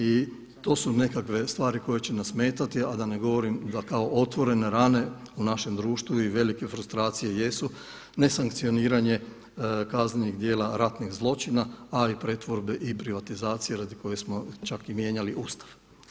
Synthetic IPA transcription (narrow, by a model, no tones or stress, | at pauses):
i | t̪o̞sune̞kakʋe̞st̪ʋaːɾiko̞je̞t͡ɕenasme̞ːt̪at̪iad̪ane̞ɡo̞ʋo̞ɾimd̪akao̞ʔo̞t̪ʋo̞ɾe̞ne̞ɾane̞unaʃe̞md̪ɾuːʃt̪ʋuiʋe̞like̞fɾust̪ɾaːt̪sije̞je̞su | ne̞saŋk̚t̪sio̞niːɾaɲe̞ | kazneniɡd̪jeːlaɾat̪niɣzlˠo̞t͡ʃinaaipɾe̞t̪ʋo̞ɾbe̞ʔipɾiʋat̪izaːt̪sije̞ɾad̪iko̞je̞smo̞t͡ʃakimje̞ːɲaliʔuːst̪ḁʋ